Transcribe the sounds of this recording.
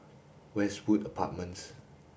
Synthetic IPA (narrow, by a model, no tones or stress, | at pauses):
wɛswudəpʰa̰t̚mə̃ns